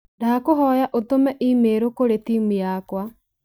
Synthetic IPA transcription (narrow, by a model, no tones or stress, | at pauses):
dakoɦɔjaʔot̪omɛʔimeːɾokoɾet̪imijakwa